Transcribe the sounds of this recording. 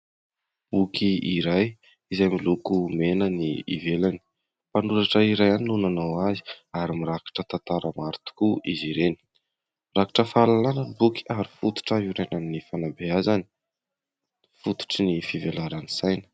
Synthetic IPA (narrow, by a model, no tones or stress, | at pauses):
b̥ukʰiiɾaj | izajmilukumenəniḭvelani̥ | panuɾaʈ͡ʂəiɾajaninunanawazi̥aɾimiɾakḁʈ͡ʂət̪ant̪aɾəmaɾt̪u̥kuiziɾeni̥ | miɾaki̥ʈ͡ʂəfalalanənibuki̥aɾifut̪u̥ʈ͡ʂaɦiɾenanːifanabeazani̥ | fut̪u̥ʈ͡ʂinifivelaɾanisajnə̥